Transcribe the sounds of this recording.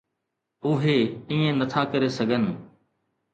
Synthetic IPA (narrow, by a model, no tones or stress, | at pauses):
ʊɦeːiːẽnət̪ʰaːkəɾesəɡʱən